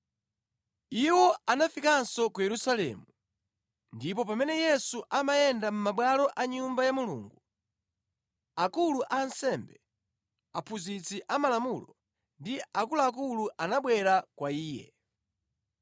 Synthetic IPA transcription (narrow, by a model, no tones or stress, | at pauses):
iwɔanafikansɔkujɛɾusalɛ̰mu | ndip̬ɔpamɛnɛjɛsuʔamajɛndam̩maɓwalɔʔaɲumbajamulṵːŋɡu | akuluʔansɛmbɛ | apʰuzit͡siʔamalamulɔ | ndiakulaːk̬uluʔanaɓwɛɾakwaiːjɛ̰